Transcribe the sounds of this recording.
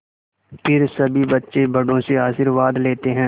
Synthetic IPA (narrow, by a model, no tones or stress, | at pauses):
pʰɪɾsɐbʱibɐtːʃebɐɖõseaːsɪɾʋaːd̪leːt̪eɦɛ̃ː